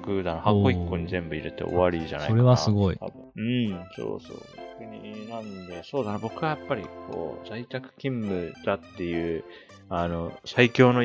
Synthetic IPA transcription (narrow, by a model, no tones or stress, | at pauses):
kɯ̟d̪anohako̞ikːo̞ɲ̟izẽ̞mbɯ̟iɾe̞t̪ḛʔo̰βaɾiʑa̰na̰oɾeβasɨɡoḭ | ɯ̟̃ɴso̰ːso̰ːkɲinãnd̪e̞so̞ːd̪anabo̞kɯβajapːaɾʲḭkʰo̞̰ːzait̪akɯ̟̥kʲĩmːɯ̟d̪̥at̪ːe̞jɯ̟ː | ano̞saikʲo̞ːno